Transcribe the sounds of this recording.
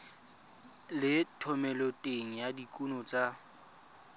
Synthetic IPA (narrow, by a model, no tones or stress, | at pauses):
lɪtʰɔmɛlɔtʼeŋ̩jadikʼunɔt͡sʼa